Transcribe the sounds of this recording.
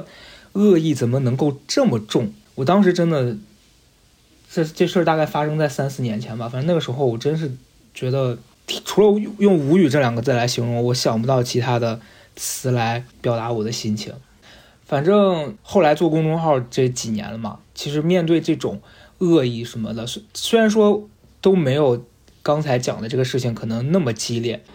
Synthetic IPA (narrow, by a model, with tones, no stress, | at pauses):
ɤ˥˧i˥˩t͡sə˨˩nmə˦nɤ˧˥ŋko˥˧ʊʈ͡ʂɤ˥˩mə˩ʈ͡ʂʊ˥˩ŋ | wɔ˨˩t̪ɑ˥ŋʂ̬ɻ̩˧˥ʈ͡ʂə˥nd̪ə˨ | ʈ͡ʂt͡ɕe˥˧ʂʰə˞˥˧t̪a˥˧ka˥˩ɪfa˥ʂɤ˥ŋt͡sa˥˩ɪsa˥nsɹ̩˥˩njɛ˧˥nt͡ɕʰjɛ˧˥nbɐ˧fa˨˩nʈ͡ʂɤ˥n˥˩ə˩ʂɻ̩˧˥xo˥˧ʊwɔ˨˩ʈ͡ʂə˥nʂ̬ɻ̩˥˩ | t͡ɕɥɛ˧˥d̪ə˧ | t̪ʰʈ͡ʂʰu˧˥ə˧jʊ˥˩ŋu˧˥y˨˩ʈ͡ʂɤ˥˩ljɑ˨˩ŋɡə˦t͡sɹ̩˥˩la˧˥ɪɕi˧˥ŋɻʊ˧ŋwɔ˧˥ɕjɑ˨˩ŋp̬u˧˥t̪ɑ˥˩ʊt͡ɕʰi˧˥t̪ʰa˥d̪ə˨ | t͡sʰɹ̩˧˥la˧˥ɪpjɑ˨˩ʊa˧˥wɔ˨˩d̪ə˦ɕi˥nt͡ɕʰḭ˧˥ŋ | fa˨˩nʈ͡ʂɤ˥˧ŋxo˥˩ʊla˧˥ɪt͡swɔ˥˩kʊ˥ŋʈ͡ʂʊ˥ŋxɑ˥˧ʊʈ͡ʂɤ˥˩˧t͡ɕi˨˩njɛ̰˧˥nlə˧mɐ̰˨˩t͡ɕʰi˧˥ʂɻ̩˧˥mjɛ˥˧nt̪̬we˥˧ɪʈ͡ʂɤ˥˩ʈ͡ʂʊ̰˨˩˦ŋ | ɤ˥˧i˥˩ʂə˧˥nmə̰˧d̪ə˨˥swe˥ɪɻa˧˥nʂwɔ˥ | t̪o˥ʊme˧˥ɪjo˨˩ʊ | kɑ˥ŋt͡sʰa˧˥ɪt͡ɕjɑ̰˨˩ŋd̪ə˦ʈ͡ʂɤ˥˩ɡə˩ʂɻ̩˥˩t͡ɕʰi˩ŋkʰɤ˨˩nɤ˧˥ŋna˥˩mə˩t͡ɕi˥ljɛ˥˩